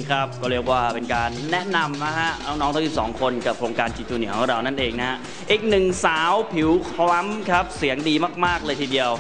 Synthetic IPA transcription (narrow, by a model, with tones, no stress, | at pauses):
kʰɾa˦˥p̚kɔː˩ɾɯ˥˩ək̚waː˥˩pe˧nkaː˧nːɛ˦˥ʔna˧mna˦˥ɦʰa˦˥ʔnɔ˦˧˩nɔː˦˥ŋt̪ʰa˥ji˨˩sɔː˩˦ŋkʰo˧nka˨˩p̚kʰɾoː˧ŋkaː˧nt͡ɕi˧t̪uː˧nɯ˩˦ka˥˩ɾa˧wnaː˥˩nʔeː˧ŋna˦ɦa˦˥ʔ | ʔiː˨˩k̚nɯ˨˩ŋsaː˩˦wpʰi˨˩˦wkʰla˦˥mkʰɾa˦˥p̚si˨˩˦əŋdiː˧maː˥˩k̚maː˥˩k̚lɤː˧jt̪ʰiː˧di˧əw